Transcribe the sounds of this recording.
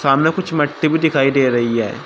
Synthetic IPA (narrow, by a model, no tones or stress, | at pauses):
saːmnekʊt͡ʃʰmɐʈːibid̪ɪkʰaːid̪eːɾɐɦiɦɛ̰ː